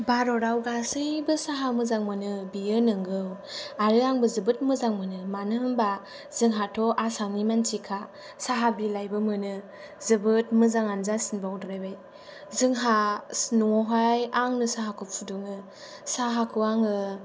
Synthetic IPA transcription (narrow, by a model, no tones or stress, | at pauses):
baɾɔɾawɡasɯjbɯsaɦamɯzaŋmɯnɯbijɯnɯŋɡɯwaɾɯaŋbɯzɯbɯt̚mɯzaŋmɯnɯmanɯmba | zɯŋɦatʰɔʔasaŋnimantʰikʰa | saɦabilajbɯmɯnɯ | zɯbɯt̚mɯzaŋanzasinbawdɾajbaj | zɯŋɦasnuɔɦajaŋnɯsaɦakʰɯp̚pʰuduŋɯ | saɦakʰɯaŋɯ